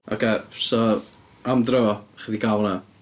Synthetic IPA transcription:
a̰ɡɛsɔ | amdrɔχəðiɡalˠna

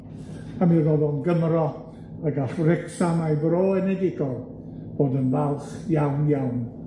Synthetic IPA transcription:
amiðoðɔnɡəmrɔ | əɡafrɪksanajbroːɛnɛdɪɡɔ | b̥oːdənvalˠχjawnjawn

